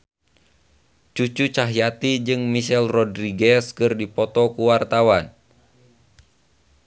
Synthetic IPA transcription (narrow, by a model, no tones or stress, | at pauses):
t͡ʃut͡ʃut͡ʃaɦjat̪id͡ʒɨŋmiʃɛlrɔdɾiɡɛskɨrdipɔt̪ɔkuwart̪awan